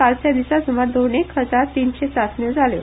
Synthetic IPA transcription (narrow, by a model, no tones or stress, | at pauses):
alsjad̪isasum̤aɾd̪onekɦəd͡zaɾt̪iːnɕet͡sasned͡zʱaljo̰